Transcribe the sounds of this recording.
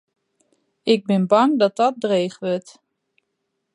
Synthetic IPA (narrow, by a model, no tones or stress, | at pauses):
ɪɡ̚bɪnbɑŋdɔt̚dɔt̚dreːχʋøt